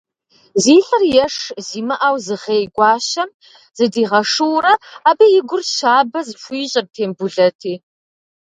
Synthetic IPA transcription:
ziːɬɐrjɛʂziːmɐʔawzɨʁeːjɡʷɑːɕɐm | z̥ɨdiːʁɐʂɨwrɐaːbɐjɪɡʷʊrɕaːbɐzɨfʷiːɕʼɪr̚tʰeːmbʊɮɐtʰiː

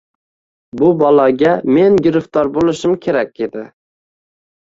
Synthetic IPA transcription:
bʊbɒlˠɑɡʲamenɡʲɪɾɪft̪ʰɒɾbolˠɪʃɪmkʲʰeɾak̚ʲed̪ɪ

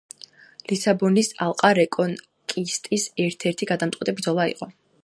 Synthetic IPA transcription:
lisabɔnisalˠqʼaɾɛkʼɔn | kʼist̪ʼisɛɾt̪ʰɛɾt̪ʰiɡad̪amt̪ʼqʼɛt̪ʼibɾd̪zɔlˠaḭqʼɔ

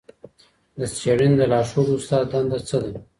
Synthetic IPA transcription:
d̪əst͡ʃeɽind̪əlɑʂoɾʊst̪ɑd̪d̪and̪at͡səd̪a

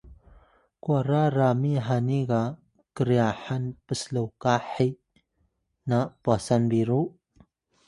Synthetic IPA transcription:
kwaɾaɾamiɦaniɡa | kəɾijaħanpəsləwkaħi | napwasanbiɾu

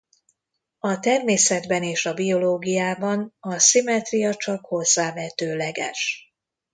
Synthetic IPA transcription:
ɒt̪ɛrmeːsɛd̪bɛneːʃɒbio̞loːɡijaːbɒnɒsimɛt̪rijɒt͡ʃɒkho̞zːaːvɛt̪øːlɛɡɛ̰ʃ

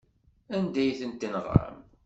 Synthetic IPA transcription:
ænd̪æjθənt̪ːinəʁ̰ɾə̰m

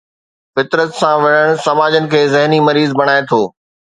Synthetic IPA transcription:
fɪt̪ɾət̪sãʋɐɽəɽ̃sɐmaːd͡ʑənɪ̆kʰeːzɪɦnimɐɾiːzbɐɽ̃aːet̪ʰoː

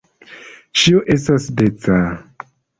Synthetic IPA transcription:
ʃioʔesasdet͡sa

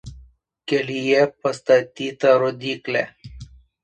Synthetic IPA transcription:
kelijepɐst̪ɐt̪it̪ɐɾod̪ikle

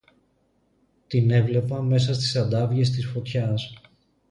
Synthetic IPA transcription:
t̪ine̞vle̞pɐme̞sɐst̪i̥sɐd̪ɐvʝe̞s̬t̪isfo̞t̪çɐs

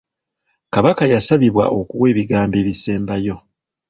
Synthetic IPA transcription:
kaβakajasaβiβwa̰ʔo̞kuwe̞ːβiɡaːmbe̞ːβise̞ːmbajo̞

